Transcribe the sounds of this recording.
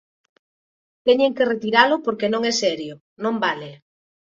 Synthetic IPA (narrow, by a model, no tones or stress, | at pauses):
t̪ɛɲeŋkeret̪iɾalʊpoɾkenõŋɛsɛɾjo | nõmbale